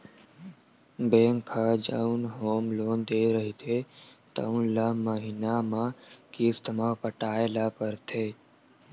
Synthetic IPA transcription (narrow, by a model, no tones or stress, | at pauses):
beːŋkʰːad͡ʒə̰unɦoːmloːnd̪eːɾəɦit̪ʰet̪ə̰ʊnlaməɦɪnamãkist̪əmapəʈaːelapəɾt̪ʰeː